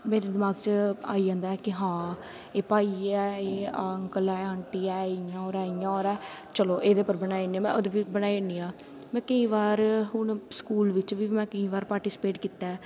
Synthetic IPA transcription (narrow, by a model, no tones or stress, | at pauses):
meːɾeːd̪ɪmaːɡt͡ʃa̰ːid͡ʒãːnd̪aːɛːkɪɦãː | eːpaːiːɛːeːaŋkəlɛːəɳʈiːɛːɪjãːoːɾɛːɪjãːoːɾɛːt͡ʃəloːʔeːd̪eːpəɾbənaːinĩːãːmɛ̰̃ːoːd̪eːʋiːbənaːieniːãː | mɛ̃ːkəĩːʋaːɾɦʊɳskuːlʋɪt͡ʃʋiːmɛ̃ːkəĩːʋaːɾpaːɾʈiːsɪ̥peːʈkiːt̪ːaɛː